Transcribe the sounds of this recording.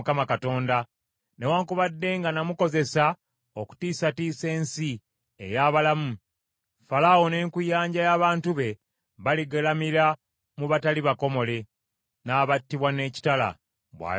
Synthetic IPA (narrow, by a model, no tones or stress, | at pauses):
kamakato̞ːnda | newaːŋkuβadːe̞ŋɡanamuko̞ze̞sa | o̞ku̥tiːsatiːse̞ːnsi | ḛjaːβalamu | falawone̞ːŋkujaːɲɟajaːβaːntuβe̞ | βaliɡelamiɾa | muβataliβako̞mo̞le̞ | naːβatːiβwane̞ːci̥tala̰ | βwa̰ː